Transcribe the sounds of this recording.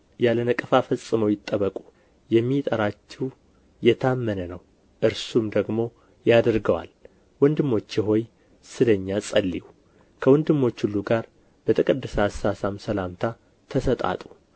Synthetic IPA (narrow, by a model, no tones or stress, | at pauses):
jalənəkʼɨfafəsʼːɨməwjɪt̪ʼːəβəkʼu | jɛmːit̪ʼəɾat͡ʃːɛw | jɛt̪ʰamːənənəw | ʔɨɾsumd̪əɡmo̞ | jad̪ɾɡəwa̰l | wɔnd̪ɨmːo̞t͡ʃːjɛɦo̞j | sɨləɲːasʼəlːḭu | kʰəwɔnd̪ɨmːo̞t͡ʃːhulːuɡaɾ | b̥ət̪ʰʼɨkʼɨd̪ːɨsasasamsəlamt̪ʰa | t̪ʰəsət̪ʼa̰t̪ʼu